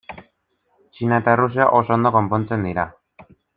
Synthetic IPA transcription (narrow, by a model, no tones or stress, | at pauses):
t͡ʃinaet̪aerusia̰ʔo̞so̞ond̪o̞ko̞mpo̞nt͡se̞nd̪iɾa